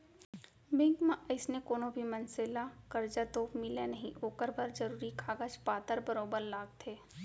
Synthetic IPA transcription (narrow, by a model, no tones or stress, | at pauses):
bɪ̃ŋkmãʔəɪsnekoːnobʱimɐnselakɐɾd͡ʒat̪oːmɪlenɐɦĩʔoːkəɾbʱəɾd͡ʒɐɾuːɾikʰaːɡət͡ʃpaːt̪əɾbɐɾoːbəɾlaːɡ̚t̪ʰeː